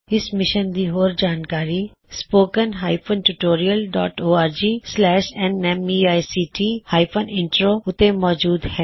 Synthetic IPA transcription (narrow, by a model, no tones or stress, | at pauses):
ɪsmɪʃənd̪iːɦoːɾd͡ʒaːnkaːɾi | spoːkənɦaːɪpʰənʈuʈoːɾijəlɖɔ̰ːʈoːaːɾd͡ʒiːslɛːʃɛnɛmiːaːjsiːʈiːhaːɪpʰənɪ̃ɳʈɾoːʊt̪emɔːd͡ʒuːd̪hɛː